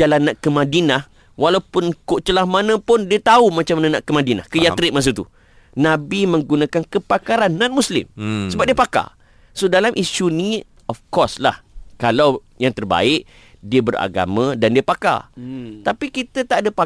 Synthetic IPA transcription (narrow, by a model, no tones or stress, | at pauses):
alanːãʔkəmãdinah | walawpʊnkoʔt͡ʃəlahmanə̃pʊndiət̪aumat͡ʃamːanãnaʔkəmadina̰hkəjaɾɪʔ̚mas̬ut̪ṵ | nãbimə̃ŋɡunãkankəpakaɾanːan̚muslɪ̰msəbap̚diəəpaka̰ | sodalamʔiʃunĩ | ɔfkɔsla̰hkalaw | jaŋt̪ərba̰ɪʔ | diəbəra̰ɡa̰mãdandiəpaka̰t̪apikit̪ət̪aʔadəpa